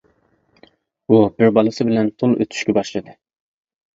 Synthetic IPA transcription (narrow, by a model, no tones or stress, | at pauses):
ubiɾbɑlˠɨsɨbɪlɛnp̪ʰulˠʔøt̪ʰy̥ʃkʲɛbɑʃlˠɨd̪ɨ